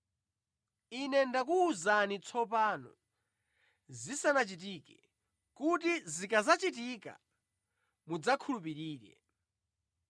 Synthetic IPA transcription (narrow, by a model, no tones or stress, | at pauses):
inɛndakuːzanit͡sʰɔp̬anɔ̰ | zisanat͡ʃit̬ikɛ | kut̬izikazat͡ʃitika̰ | mud͡zakʰulupiɾiːɾɛ̰